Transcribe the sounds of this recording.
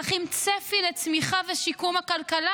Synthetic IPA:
χimt͡sefilet͡smiχaveʃikumhakalkala

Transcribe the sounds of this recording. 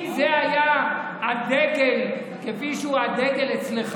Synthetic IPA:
zeaja | ad̪eɡel | kefiʃeuad̪eɡe̞let͡sleχ

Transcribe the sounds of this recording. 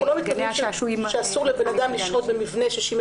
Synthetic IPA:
ulomit̪̚kad̪iʃeʃeasuʁlebe̞nad̪amliʃʁo̞t̪̚bemivne̞ʃeʃim

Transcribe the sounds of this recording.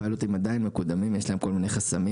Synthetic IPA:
alut̪imad̪ainmekud̪amimjeʃlaemko̞lmine̞jχasami

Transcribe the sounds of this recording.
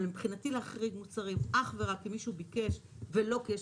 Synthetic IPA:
lempχinatileaχʁiɡmut͡saʁimʔaχve̞ʁakːimiʃubike̞ʃ | velo̞ke

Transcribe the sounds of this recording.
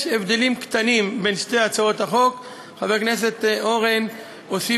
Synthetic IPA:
ʃevd̪elimkt̪animbe̞nʃte̞jat͡sao̞t̪haχo̞k | χaveʁkne̞s̬e̞t̪ʔo̞ʁen | osi

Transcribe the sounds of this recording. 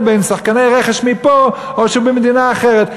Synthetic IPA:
bejnsaχkanejʁeχeʃmipo | oʃubemed̪inaːχeʁet̪

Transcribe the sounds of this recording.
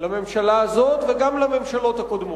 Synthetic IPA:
lame̞mʃalaːzo̞t̪veɡamlame̞mʃalo̞t̪hakod̪mo

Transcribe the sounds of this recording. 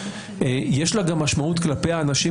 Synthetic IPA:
ejeʃlaɡamːaʃmaut̪klape̞jaːnaʃi

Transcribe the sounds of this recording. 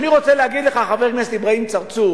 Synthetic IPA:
niʁot͡seleɦaɡid̪leχaχaveʁmeslibʁaimt͡saʁt͡su

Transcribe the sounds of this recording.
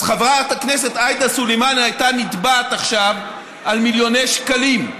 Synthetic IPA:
χavʁat̪akne̞se̞t̪ajd̪asulejmanhajtanit̪baːt̪aχʃav | almiljo̞nejʃkalim

